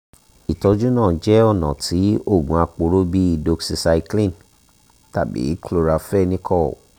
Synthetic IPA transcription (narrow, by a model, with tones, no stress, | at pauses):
i˨tɔ˧d͡ʒu˦nãː˦˨d͡ʒɛ˨˦ɔ˦˨nã̰˨tʰi˨˦o˦˨ɡũ˨a˧k͡po˧ɾo˦bi˦i˧˨do˧ksi˧sa˧i˧klĩ˦˨n | ta˦˨bḭ˨˦klo˧ɾa˧fɛ˦nĩ˦kʰɔ˦˨